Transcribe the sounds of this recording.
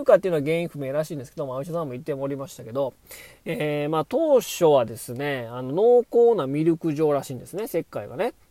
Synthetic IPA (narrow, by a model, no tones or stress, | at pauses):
ɯkat̪ːei̟noaɡẽ̞ɰ̃ĩɸɯ̟me̞ːɾaɕĩnd̪esɨ̥ked̪omaoɕasãmːo̞it̪ːe̞moːɾʲimaɕi̥t̪ake̞d̪o̞ | eːmaːt̪o̞ːɕo̞βad̪e̞sɨne̞ano̞no̞ːko̞ːnamʲiɾʲɯ̟kɯ̟ʑo̞ːɾaɕĩːnd̪esɨne̞se̞kːaiɡa̰ne̞